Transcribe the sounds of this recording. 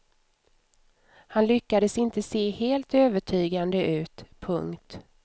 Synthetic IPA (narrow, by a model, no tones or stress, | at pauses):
hanlʏkːad̪əsɪnt̪əseːheːlt̪øːvəʈʰyːɡand̪əʔʉ̟ːt̪pʰɵŋkt̪